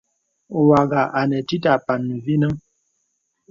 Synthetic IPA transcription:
wa˨ɡa˨ʔa˨nɛ˨ti˦ta˨pa˨nːu˨vi˦nə˦ŋ

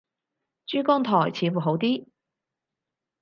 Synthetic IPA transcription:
t͡ʃyː˥kɔː˥ŋt̪ʰɔː˨˩jt͡sʰiː˨˥fuː˨˩ɦo˨˥wt̪̬iː˥

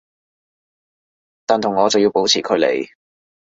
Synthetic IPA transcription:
t̪aː˨nt̪ʰʊ˨˩ŋːɔː˨˧t͡sɐ˨wji˧wpo˨˥wt͡sʰiː˨˩kʰɵ˨˧lḛ˨˩j

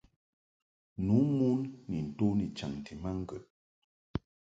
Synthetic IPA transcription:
nu˨˦mu˦nːi˨n̩˨to˦ni˨t͡ʃa˨ŋ˨ti˨ma˦ŋ̩˦ɡə˨

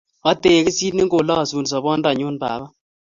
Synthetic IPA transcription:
ɔ˦te˨kɪ˦si˦tni˦ŋɡo˨lɔ˦˨su˨ns̬ɔ˨bɔ˦nda˨ɲo˦nba̰˨ba˦

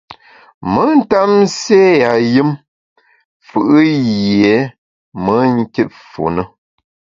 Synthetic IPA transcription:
mə˨˦n̩˦ta˦mse˦ja˨jɨ˦m | fɨ˨ʔɨ˦je˨˦ | mə˨˦ŋ˦ki˦t̚fo̰˨nə˦

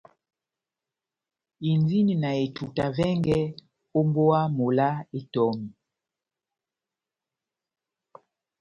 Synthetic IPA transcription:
i˨nzi˦ni˨na˨e˨tʰu˨ta˨vɛ˦ŋɡɛ˦ | o˦mbo˦a˦mo˨la˦e˦tɔ˨mi˨

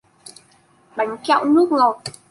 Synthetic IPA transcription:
ɓa˨˦jŋ̟ka̰˧˨wnɨ˦˥ək̚ŋo˨˩t̚

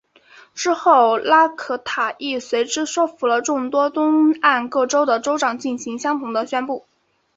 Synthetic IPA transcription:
ʈ͡ʂɻ̩˥xo˥˩ʊla˥kʰɤ˥˩t̪ʰa˨˩ʔi˥˩swe˧˥ɪʈ͡ʂɻ̩˥ʂwɔ˥ʊfu˧˥lə˧ʈ͡ʂʊ˥˩ŋt̪wɔ˥t̪ʊ˥ŋa˥˧nkɤ˥˩ʈ͡ʂo˥ʊd̪ə˨ʈ͡ʂo˥ʊʈ͡ʂɑ˨˩ŋt͡ɕi˥˩nɕi˧˥ŋɕjɑ˥ŋt̪ʰʊ˧˥ŋd̪ə˧ɕɥɛ˥npu˥˩

